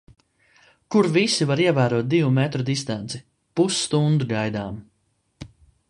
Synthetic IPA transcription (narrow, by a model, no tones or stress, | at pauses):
kuɾvisivaɾiɛvæːɾuɔːt̪̚d̪ivumɛt̪ɾɔd̪ist̪ant̪si | pusːt̪und̪uɡajd̪aːm